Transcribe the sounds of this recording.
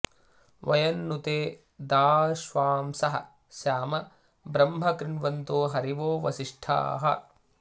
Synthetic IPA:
ʋɐ̰jɐnːut̪eː | d̪aːʃʋaːmsɐɦɐ̰ | ʃjaːmɐ | bɾɐmɦɐkɾɪɳʋɐnt̪oːɦɐɾiʋoːʋɐʃiʂʈʰa̰ːɦɐ̰

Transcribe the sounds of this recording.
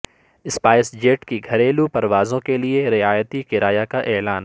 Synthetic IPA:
ɪspaːɪsd͡ʒeːʈkiɡʱɐɾeːlupɐɾʋaːzõkelieɾɪaːjət̪ikɪɾaːjakaʔɛːlaːn

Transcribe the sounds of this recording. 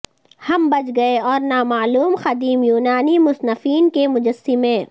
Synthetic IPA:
hɐmbɐt͡ʃɡɐeɔːɾnaːmaːluːmxɐd̪iːmjuːnaːnimʊsnɐfiːnkemʊd͡ʒɐsimẽː

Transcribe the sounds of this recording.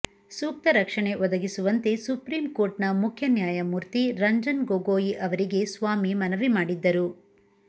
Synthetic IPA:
suːk̚t̪ɐɾɐkʂɐɳe̞ʋɔd̪ɐɡisuʋɐnt̪e̞supɾiːmko̞ːɾʈnɐmukʰjɐnjaːjɐmuːɾt̪iɾɐɲd͡ʒɐnɡoːɡoːjiʔɐʋɐɾiɡe̞sʋaːmimɐnɐʋimaːɽid̪ːɐɾu

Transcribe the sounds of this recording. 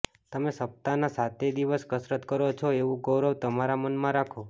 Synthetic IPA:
t̪əmesəp̚t̪anasat̪ʰed̪iʋəskəsɾət̪kəɾot͡ʃʰoeʋũɡəɾəʋt̪əmaɾamənmãɾakʰo

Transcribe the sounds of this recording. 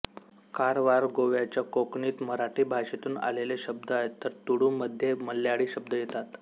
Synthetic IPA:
kaɾʋaɾɡoʋjat͡ɕjakokɳiːt̪məɾaʈiːbʱaɕet̪uːna̰leleɕəb̚d̪aet̪ːəɾt̪uɽuːməd̪ʱjeməlːjaɽiːɕəb̚d̪əjet̪at̪

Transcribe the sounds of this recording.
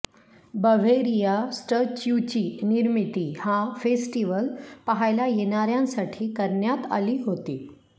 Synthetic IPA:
bəʋ̤eɾijasʈət͡ɕjut͡ɕiːniɾmit̪ihãfesʈiʋəlpəɦajlajeñaɾjãnsaʈʰiːkəɾɳjat̪a̰liːɦot̪iː

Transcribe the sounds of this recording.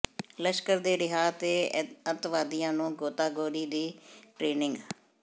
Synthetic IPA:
ləʃkəɾd̪eːɾɪɦaːt̪eːət̪ʋaːd̪ijãːnũːɡoːt̪aːɡoːɾiːd̪iːʈɾeːnɪŋɡ

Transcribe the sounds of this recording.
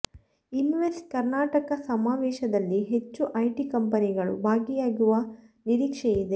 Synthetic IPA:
inʋesʈkɐɾnaːʈɐkɐsɐmaːʋɛːʃɐd̪ɐlːiɦe̞t͡ʃːuʔɐjʈikɐmpɐniɡɐɭṵbʱaːɡijaːɡuʋɐniɾiːkʂejid̪e̞

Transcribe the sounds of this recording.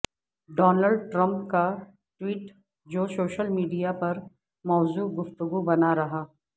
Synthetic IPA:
ɖɔːnəlɖʈɾɐ̃mpka | ʈwiːʈ | d͡ʒoːsoːʃəlmiːɖijapɐɾ | mɔːzuːɡʊft̪ʊɡubɐnaɾɐɦaː

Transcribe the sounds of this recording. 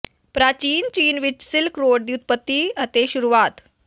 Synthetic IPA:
pɾat͡ɕiːnt͡ɕiːnʋit͡ɕsilkɾoɽd̪jut̪̚pət̪ːiət̪eɕuɾuʋat̪

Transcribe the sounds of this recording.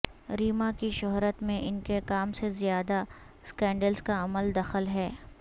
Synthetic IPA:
ɾiːmakiʃʊɦɾət̪mẽʔɪnkekaːmsezijaːd̪a | skɛ̃ːɳɖəlzkaɐməld̪ɐxəlɦɛː

